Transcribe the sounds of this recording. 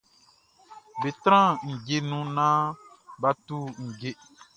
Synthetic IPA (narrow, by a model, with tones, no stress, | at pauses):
be˨t̪ɾ̃ã˦˨ŋ̩˨ɟe˦nũ˦nã˦ba˦tu˦ŋ̩˨ɡe˦